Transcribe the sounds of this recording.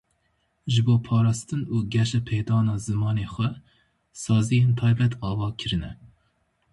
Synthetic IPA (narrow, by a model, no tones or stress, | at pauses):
ʒɨboːpʰɑːɾɑːst̪ɨnuːɡʲɛʃɛpʰɛjd̪ɑːnɑːzɨmɑːneːxʷɛ | sɑːzijeːnt̪ʰɑːjbɛt̪ʰɑːvɑːkʰɨɾɨnɛ̰